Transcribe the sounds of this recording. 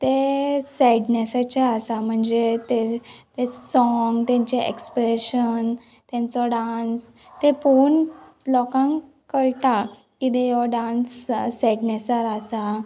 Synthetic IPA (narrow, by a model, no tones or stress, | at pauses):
t̪esɛɖnesət͡ɕaasam̤əɳd͡zet̪et̪esɔŋɡt̪jãɲt͡ɕeʔḛkspɾeɕən | t̪jãnt͡sɔɖans | t̪epuɳ | lɔkãŋ | kəɭʈ̪a | kid̪ejɔɖãnssɛɖnesəɾasa